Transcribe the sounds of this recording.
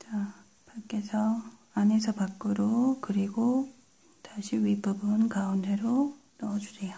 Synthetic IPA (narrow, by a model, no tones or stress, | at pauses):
t͡ɕa | pak͈e̞sʰʌ | ane̞sʰʌpak͈ɯɾokɯɾiɡo | taɕʰiɥipʌbɯnkaunde̞ɾo | nʌd͡ʑuɾeja